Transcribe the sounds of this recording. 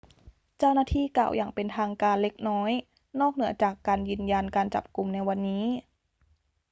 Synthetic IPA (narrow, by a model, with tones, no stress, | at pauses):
t͡ɕa˥˩˨wnaː˧˩t̪ʰiː˥˨ka̰ː˨˩wjaː˨˩ŋpe˨˩nt̪ʰaː˧ŋkaː˧nle˧˦˥k̚nɔː˦˥j | nɔː˥˩k̚nɯ˩˦ɐt͡ɕaː˨˩kːaː˨njɯː˧nja˧nkaː˨˧nt͡ɕa̰˨˩p̚ku˨˩mna˧jwa˧nːiː˦˥